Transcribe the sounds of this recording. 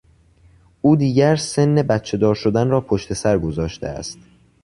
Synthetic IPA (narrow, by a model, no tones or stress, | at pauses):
ʔuːd̪iːɟæɾse̞nːe̞bæt̪̚t͡ʃʰe̞d̪ɒːɾʃod̪ænrɒːpʰoʃt̪ʰe̞sæɾɡo̞zɒːʃt̪ʰeæ̰st̪